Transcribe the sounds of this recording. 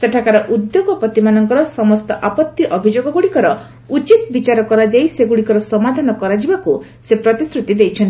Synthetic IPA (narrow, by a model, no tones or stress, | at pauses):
seʈʰakaɾɔʔud̪joɡɔpɔt̪imanɔŋkɔɾɔsɔmɔst̪ɔʔapɔt̪ːiʔɔbʱid͡ʒoɡɔɡuɽikɔɾɔ | ut͡ʃit̪bit͡ʃaɾɔkɔɾad͡ʒajseɡuɽikɔɾɔsɔmad̪ʱanɔkɔɾad͡ʒibaku | sepɾɔt̪isɾut̪id̪ejt͡ʃʰɔnt̪i